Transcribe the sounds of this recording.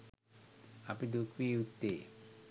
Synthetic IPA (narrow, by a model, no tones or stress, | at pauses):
ɐpid̪ukʋiut̪ːeː